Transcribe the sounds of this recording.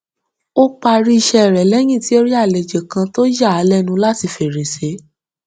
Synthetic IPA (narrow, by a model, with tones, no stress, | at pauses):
o˦k͡pa˧ɾi˦i˧ʃɛ˧˨ɾɛ˨lɛ˨˦j̃ĩ˦˨ti˨˦o˦ɾi˦a˦˨le˨d͡ʒe˨kã˧to˦ja˦˨a˨˦lɛ˦nũ˧la˦ti˧fe˨ɾe˨se˨˦